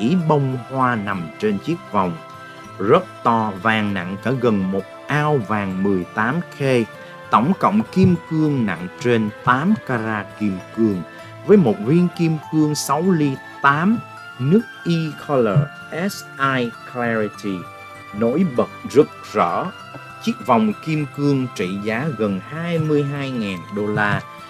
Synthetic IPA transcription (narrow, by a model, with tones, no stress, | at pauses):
i˨˦ɓə˧wŋ͡mhwaː˧na˨˩mt͡ɕe˧nt͡ɕi˦˥ək̚va˨˩wŋ͡m | zə˦˥t̚t̪ɔ˧vaː˨˩ŋna̰˧˨ŋkaː˧˥ɣə˨˩nmo˨˩t̚ʔaː˧wvaː˨˩ŋmɨ˨˩əjt̪aː˨˦mxe˧ | t̪ə˧˩wŋ͡mkə̰˧˨wŋ͡mki˧mkɨ˧əŋna̰˧˨ŋt͡ɕe˧nt̪aː˨˦mkaː˧zaː˧ki˧mkɨ˧əŋ | vəː˨˦jmo˨˩t̚vi˧ənki˧əmkɨ˧əŋsa˨˦wli˧ | t̪aː˨˦m | nɨ˦˥ək̚ʔi˧kʰɔ˧ləː˨˩ | ʔɛ˦˥sʔaː˧jklɛ˧ɹi˧t̪i˧˩ | no̰˧˥jɓə˨˩t̚zə˦˥t̚zɔ̰˧˩˥ | t͡ɕi˦˥ək̚va˨˩wŋ͡mki˧mkɨ˧əŋt͡ɕḭ˧˨zaː˨˦ɣə˨˩nhaː˧jmɨ˧əjɦaː˧jŋaː˨˩nɗo˧laː˧